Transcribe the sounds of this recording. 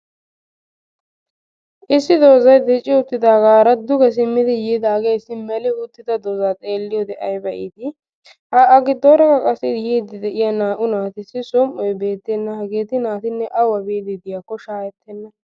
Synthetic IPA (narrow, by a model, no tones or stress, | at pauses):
ʔɪsːɪd̪o̞ːzɐjd̪ɛt͡ʃʼːɪʊt̪ːɪd̪aːɡaːɾɐd̪ʊɡɛs̬ɪmːɪd̪ɪjiːd̪aːɡejsːɪmɛlɪʊt̪ːɪd̪ɐd̪ozaːt͡sʼe̞ːlːɪjɔd̪ɛʔɐjbɐʔɪ̰ːd̪ɪ | hɐɐɡɪd̪oːɾɐkɐkʼɐsːɪjiːd̪ɪd̪ɛʔɪjanaːʔʊnaːt̪ɪsɪsɔmːɔjbe̞ːt̪ːɛnːɐhɐɡeːt̪ɪnaːt̪ɪnːɛʔɐwɐbeːd̪ɪd̪ɪjaːkːɔʃaːjɛt̪ːɛnːɐ